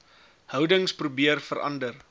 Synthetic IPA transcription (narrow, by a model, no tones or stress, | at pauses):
hœwdəŋspɾubiərfəɾɐ̰ndər